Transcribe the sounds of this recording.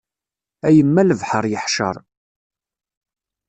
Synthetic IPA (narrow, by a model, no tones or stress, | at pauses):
æjəmːæləvħəɾˤjəħʃə̰ɾˤ